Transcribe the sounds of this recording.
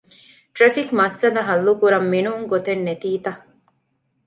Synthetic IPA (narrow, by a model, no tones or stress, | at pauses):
ʈɾɐfikmɐsːɐd̪ɐɦɐlːukuɾɐmːinuŋɡot̪enːet̪iːt̪ɐ